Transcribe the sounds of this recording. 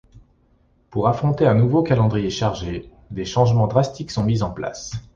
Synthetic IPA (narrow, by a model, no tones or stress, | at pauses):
puʁafχɔ̃t̪eɛ̃nuvokalɑ̃d̪ʁijeʃaʁʒe | d̪eʃɑ̃ʒmɑ̃d̪ʁast̪iksɔ̃mizɑ̃pla̰s